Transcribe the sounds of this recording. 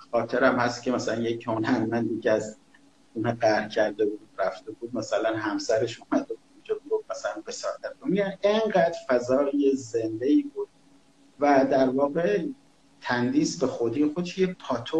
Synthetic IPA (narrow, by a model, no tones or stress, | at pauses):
xɒːt̪ʰeɾæmhæst̪cʰʲemæsælænjecʰonænmænd̪icæz | uːnɑɢæɾcʰæɾd̪e̞buːd̪ɾæft̪ebuːd̪̚mæsælænɦæmsæɾe̞ʃuːmæd̪ebuːd̪d͡ʒonɡofmæsælænbesɒːɾt̪ʰæɾd̪onjæneŋɢæːd̪̥fæzɒːɾjezend̪eiːbuːd̪̥̚ | væd̪æɾvɒːɣe | t̪ʰænd̪iːsbe̞xod̪ijexod̪eʃjepʰɒːt̪ʰo